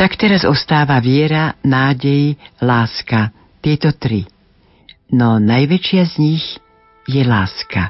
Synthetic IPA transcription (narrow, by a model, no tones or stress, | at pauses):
t̪akt̪ɛɾazɔst̪aːʋaʋɪɛɾanaːɟɛjlaːska | t̪ɪɛt̪ɔt̪ɾi | nɔnajʋɛt͡ʃɪazɲiɣ | jɛlaːska